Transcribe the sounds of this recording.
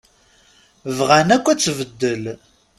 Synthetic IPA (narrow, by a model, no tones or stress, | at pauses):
vʁænækʷːæt͡sːvəd̪ːəl